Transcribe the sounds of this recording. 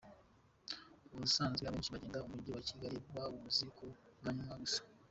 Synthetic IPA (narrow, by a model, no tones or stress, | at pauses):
uusaːnzeaβe̞ːnʃiβaɟe̞ːndaumuɾɟowaciɡaɾibwaβumuzikʰoβaɲumaɡusḁ